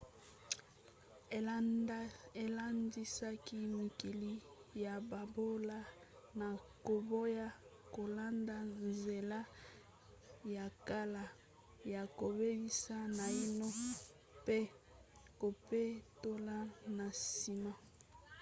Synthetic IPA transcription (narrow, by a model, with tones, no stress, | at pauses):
e˨la˦ndi˦sa˦ki˦mi˨ki˨li˦ja˨ba˨bo˦la˦ | na˨ko˨bo˦ja˦ | ko˨la˦nda˦nze˨la˦ | ja˨ka˦la˨ | ja˨ko˨be˦bi˦sa˦na˨i˦no˦ | pe˦ko˨pe˦to˦la˦na˨si˨ma˦